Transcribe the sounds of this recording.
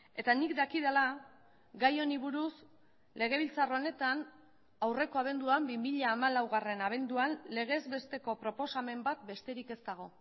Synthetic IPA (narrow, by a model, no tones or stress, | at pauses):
e̞t̪anikd̪akið̞ela | ɡajo̞niβ̞uɾus | le̞ɣ̞e̞β̞ilt͡sarone̞t̪an | awre̞ko̞aβ̞e̞nd̪uambimiʎaːmalawɣare̞naβ̞e̞nd̪uanle̞ɣ̞e̞zbe̞st̪e̞ko̞pɾo̞po̞same̞mbat̪be̞st̪e̞ɾike̞st̪aɣ̞o̞